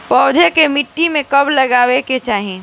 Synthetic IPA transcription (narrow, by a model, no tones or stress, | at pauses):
pɔːd̪ʱekemɪʈːimẽkɐblɐɡaːweket͡ʃaːɦĩ